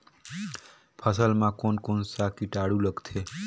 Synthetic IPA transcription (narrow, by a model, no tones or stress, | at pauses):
pʰəsəlmãkonkonsakiʈaɽuləɡt̪ʰe